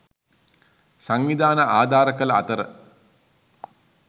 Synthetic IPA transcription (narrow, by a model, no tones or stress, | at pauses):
saŋʋid̪aːnəʔaːd̪ʱaːɾəkələa̰t̪əɾə̰